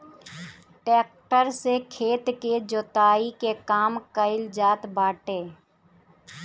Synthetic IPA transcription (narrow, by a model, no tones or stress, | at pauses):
ʈeːkʈəɾsekʰeːt̪ked͡ʒoːt̪aːikekaːmkəɪld͡ʒaːt̪baːʈeː